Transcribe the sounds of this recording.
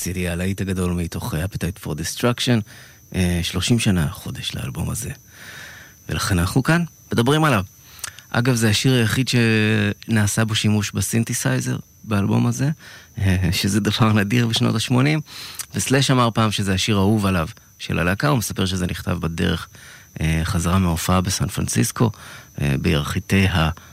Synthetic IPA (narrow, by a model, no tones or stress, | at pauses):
sidialaitaɡado̞lmito̞χeapitajtfo̞ʁdist̪ʁakʃo̞n | ʔeʃlo̞ʃimʃanaχo̞de̞ʃla̰a̰lboma̰ze̞ | velaχenaχukanmed̪abʁimalav | ʔa̰ɡavzeaʃiʁajaχidʃenaːsabo̞ʃimuʃbasintisajze̞̰ʁ | baalbo̞̰maze | ʃezed̪avaʁnadiʁbeʃno̞̰taʃmo̞nimvesleʃamaʁpaːmʃezeaʃiʁauvalav | ʃḛlʔa̰lakaumesapeʁʃ̬ezenʔiχt̪a̰vbade̞̰ʁeχ | eχazaʁameofaabesanfʁa̰nsḭsko̞ḛbejaʁχite̞jɦa